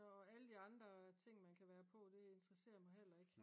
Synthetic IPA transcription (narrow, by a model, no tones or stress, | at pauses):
ɒæləd̥iɑ̈nd̥ʁɐt͡sʰe̝ŋ̰mænkʰæʋæːɐpʰɒ̽d̥e̝e̝nd̥ʁɐse̝̰ːɐmɑ̈ɪɦel̰ɐe̝ɡ̥